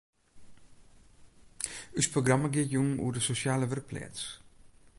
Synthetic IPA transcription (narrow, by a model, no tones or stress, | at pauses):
ysproɡraməɡɪətjuŋṵədəsosjaːləʋər̚pʰlɛ̰ːts